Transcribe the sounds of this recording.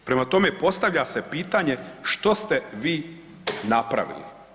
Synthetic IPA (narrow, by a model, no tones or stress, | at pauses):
pɾemat̪o̞me̞po̞st̪aʋʎasepiːt̪aɲe̞ʃt̪o̞st̪eʋiː | napɾa̰ʋḭlḭ